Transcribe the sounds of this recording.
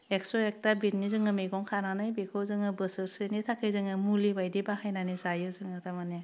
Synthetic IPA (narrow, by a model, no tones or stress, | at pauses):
eksɔek̚tabit̚nizɯŋɯmeɡɔŋkʰananajbekʰɯwzɯŋɯbɯsɯsɯnitʰakʰɯjzɯŋɯmulibajdibahajnanizajɯzɯŋɯtamane